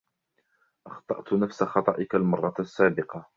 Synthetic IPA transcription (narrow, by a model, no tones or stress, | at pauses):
ʔɑxt̪ˤɑʔt̪nafsaxɑt̪ˤɑʔɪkalmɑrˤːɑsːaːbɪqɑ